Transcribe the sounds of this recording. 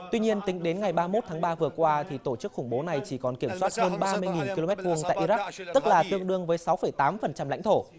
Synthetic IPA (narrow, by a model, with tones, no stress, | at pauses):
t̪wi˧ɲi˧ənt̪ï˨˦ŋ̟ɗe˨˦nŋa˨˩jɓaː˧mo˦˥t̚t̪ʰaː˨˦ŋɓaː˧vɨ˨˩əkwaː˧t̪ʰi˨˩t̪o˧˩t͡ɕɨ˦˥k̚xʊ˧˩ŋ͡mɓo˨˦na˨˩jt͡ɕi˧˩kɔ˨˩nki˧˩əmswaː˦˥t̚həː˧nɓaː˧mɨ˧jŋi˨˩nki˧lo˧mɛ˦˥t̚vu˧˩əŋt̪a̰ː˧˨jʔi˧za˦˥k̚t̪ɨ˦˥k̚laː˨˩t̪ɨ˧əŋɗɨ˧əŋvəː˨˦jsa˨˦wfə˧˩jt̪aː˨˦mfə˨˩nt͡ɕa˧mla̰˧˥ŋt̪ʰo˧˩